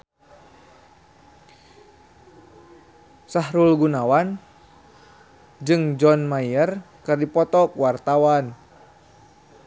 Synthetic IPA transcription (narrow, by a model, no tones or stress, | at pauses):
saɦɾulɡunawan | d͡ʒɨŋd͡ʒɔnmaiər | kɨrdipɔt̪ɔk̚wart̪awan